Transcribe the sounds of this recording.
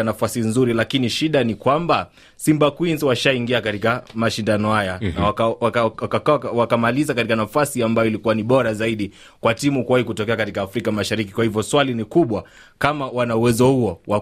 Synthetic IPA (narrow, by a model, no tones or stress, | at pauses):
anafasinzuɾilakiniʃiɗanikwamba | simbakwinzwaʃaiŋɡiakatikamaʃindanɔhajana | wakamalizakatikanafasiambajɔilikuwaniɓɔɾazaiɗi | kwatimukuwahikutɔkɛakatikaːfɾikamaʃaɾiki̥kwahivjɔswalinikuɓwa | kamawanauwɛzɔhuɔwa